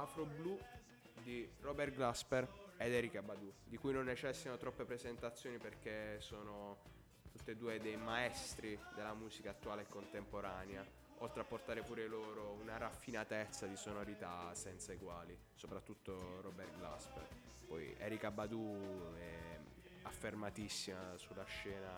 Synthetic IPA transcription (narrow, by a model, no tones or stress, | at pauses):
afɾoblu | d̪irɔbɛrɡlaspɛrɛd̪ɛːɾikabːad̪ud̪ikujnonːet͡ʃɛsːianot̪ɾɔpːepɾezent̪at̪sːjoːniperk̟esoːno | t̪ut̪ːed̪uːed̪ɛjmaɛst̪ɾid̪elːamuːzikaːt̪ːuaːleekːont̪empoɾaːnea | olt̪ɾeapːort̪aːɾepuːɾeloːɾounaɾafːinat̪et̪sːad̪isonoɾit̪asɛnt̪saiɡwaːli | sopɾat̪ːut̪ːorɔbɛrɡla̰spɛ̰r | pɔjɛ̰ːɾikabːad̪uɛ | afːermat̪isːimasulːaʃːɛːna